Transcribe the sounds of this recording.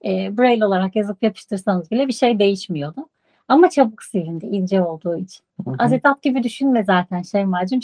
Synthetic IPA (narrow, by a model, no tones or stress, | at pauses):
ɛːbuɾejlʲo̞lˠaɾakjazɯpjapʰɯ̥ʃt̪ɯɾsanɯzbilʲɛbiʃejd̪e̞jiʃmijo̞d̪ʊ | amat͡ʃʰabɯksiɾind̪ɛʔilʲd͡ʒɛo̞lˠd̪uːit͡ʃʰi̥nazet̪ʰat̪̚ɟibid̪yʃynmɛzaːt̪ʰænʃejmad͡ʒɯm